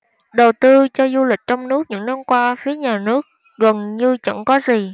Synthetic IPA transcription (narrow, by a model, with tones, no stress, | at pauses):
ɗə˨˩wt̪ɨ˧t͡ɕɔ˧zu˧lï˨˩k̟̚t͡ɕɔ˧wŋ͡mnɨ˦˥ək̚ɲɨ̰˧˥ŋna˧mkwaː˧fi˨˦əɲaː˨˩nɨ˦˥ək̚ | ɣə˨˩nɲɨ˧t͡ɕə̰˧˥ŋkɔ˨˦zi˨˩